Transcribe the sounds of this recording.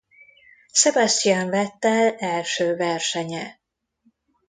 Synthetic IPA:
sɛbɑst̪ijɑɱvɛt̪ːɛlɛlʃøːvɛrʃɛɲɛ

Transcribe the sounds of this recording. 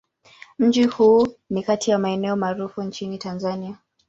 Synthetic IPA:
m̩d͡ʒihuːnikatʰijamaɛnɛɔmaːɾufunt͡ʃinitanzania

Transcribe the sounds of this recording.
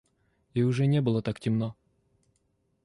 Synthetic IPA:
ɪʊʐɛnʲɛbɨlˠət̪aktʲɪmno

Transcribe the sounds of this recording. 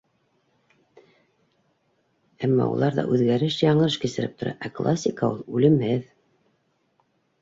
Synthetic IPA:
æmːɑ̰ṵlˠɑɾðɑ̰ʔʉðɣæɾɘʃjɑɴɤʃkɘ̆sɘ̆ɾɘp̚t̪ŏɾɑ̰ʔæklˠasʲːikaulˠʉlɘ̆mɘð

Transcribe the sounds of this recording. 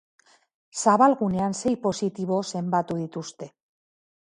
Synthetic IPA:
saβalɣune̞anse̞jpo̞sit̪iβ̞o̞se̞mbat̪uðit̪ust̪e̞

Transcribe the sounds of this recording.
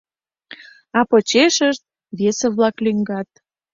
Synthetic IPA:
ɑpot͡ɕeʃəʃt̪̚ | βeseβlɑklyŋɡɑt̪̚

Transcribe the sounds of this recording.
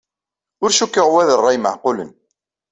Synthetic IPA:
ʊɾʃukːəʁwæðərˤːɑjmə̰ʕqʊlə̰n

